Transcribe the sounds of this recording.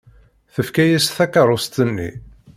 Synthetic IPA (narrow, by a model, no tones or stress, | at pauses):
θəfkæjæsθækəɾˤost̪ənːḭ